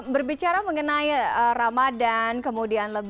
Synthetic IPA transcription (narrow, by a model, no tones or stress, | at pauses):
bərbit͡ʃaɾaməŋənaiəramadankəmudianləb